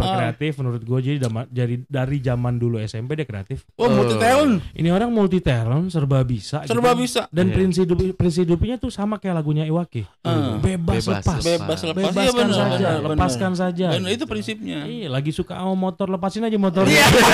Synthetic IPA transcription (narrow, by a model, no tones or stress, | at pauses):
bərkɾeat̪ɪfmənuɾʊt̪̚ɡuad͡ʒadidamad͡ʒadidaɾid͡ʒamanduluɛsɛmpediakɾea̰t̪ɪfamulit̪eɾɔnʔinioɾaŋmult̪it̪eɾɔnsərbabisasərbabisadanpɾinsidʊppɾins̬idʊpɲat̪usamakajalaɡuɲaiwakɪ | bebasləpabebasləbeabaansad͡ʒaləpaskansad͡ʒanit̪upɾinsip̚ɲailaɡisukaəmot̪ɔrləpasɪnad͡ʒamot̪ɔrɲa